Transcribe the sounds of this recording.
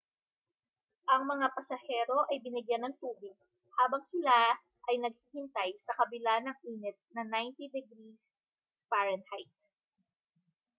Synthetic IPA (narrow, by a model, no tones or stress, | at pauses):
ʔɐŋmɐŋapɐsɐhɛːɾo̞ʔɐjbɪnɪɡjanɐŋt̪uːbɪɡ̚ | haːbɐŋsɪla | ʔɐjnɐɡ̚hiːhɪnt̪ajsɐkɐbɪlanɐŋiːnɛt̪̚nɐnajnt̪id̪ɛɡɾis | pɛɹɛnhajt̪̚